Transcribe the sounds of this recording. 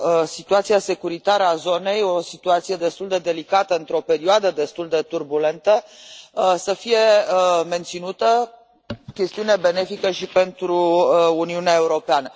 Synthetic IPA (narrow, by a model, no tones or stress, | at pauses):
sit̪uat̪siase̞kuɾit̪aɾəazo̞ne̞jo̞sit̪uat̪sije̞d̪e̞st̪uld̪e̞d̪e̞likat̪əɨnt̪ɾo̞pe̞ɾioad̪əd̪e̞st̪uld̪e̞t̪urbule̞nt̪ə | səfije̞me̞nt̪sinut̪ə | kʲe̞st̪iunebe̞ne̞fikəʃipe̞nt̪ɾuːniuneae̞uɾo̞peanə